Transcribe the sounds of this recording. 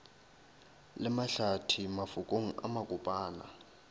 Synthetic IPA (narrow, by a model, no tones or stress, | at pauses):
lɛmaɬatʰimafukʼoŋ̩a̰makʼupʼaːna̰